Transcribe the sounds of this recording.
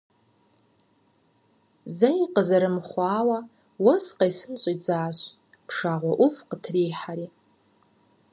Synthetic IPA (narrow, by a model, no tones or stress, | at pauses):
zajiqʼəzaɾɨmχʷaːwa | wasqajsɨnt͡ʃʷʼad͡zaːʃʷ | pʰʂaʁʷaʔufqətʰrijħaɾi